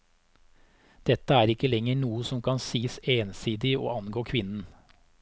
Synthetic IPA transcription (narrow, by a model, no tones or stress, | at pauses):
d̪̥ɛt̪əæːɾɪkəlɛŋəɾɳuːəsɔmkʰɑnsiːəseːnsiːd̪ɪo̰ːɑnɡoːkʰʋɪnn̩